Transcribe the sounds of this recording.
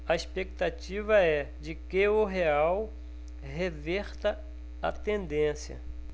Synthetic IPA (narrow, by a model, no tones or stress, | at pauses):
ɐespek̚t̪at͡ʃivɐɛ | d͡ʒɪkɪʊɦeaw | ɦevɛɾt̪ɐ | ɐt̪ẽnd̪ẽsjɐ̰